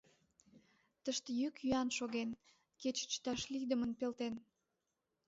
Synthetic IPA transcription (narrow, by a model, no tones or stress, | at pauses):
t̪əʃt̪ejykjyɑnʃoɣen | ket͡ɕt͡ɕt̪ɑʃlid̪əmənpelt̪en